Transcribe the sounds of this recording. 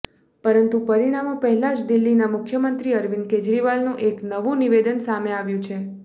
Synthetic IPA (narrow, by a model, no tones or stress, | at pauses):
pəɾənt̪ũpəɾiɽ̃amõpəɦɛlad͡ʒd̪ilːinamʊkʰːjəmənt̪ɾiəɾʋinked͡ʒɾiʋalnũʔeknəʋũniʋed̪ənsameaʋjũt͡ʃʰe